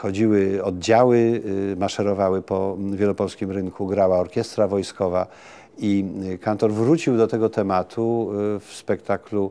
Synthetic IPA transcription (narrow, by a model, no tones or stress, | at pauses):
xɔd͡ʑiwɘɔd̪̚d͡ʑawɘmaʂɛɾɔvawɘpɔvʲjɛlɔpɔlskʲimɾɘŋkʰuɡɾawaɔɾkʲjɛst̪ɾavɔjskɔva | ikant̪ɔɾvɾut͡ɕiwd̪ɔt̪ɛɡɔt̪ɛmat̪ʰufspɛkt̪aklu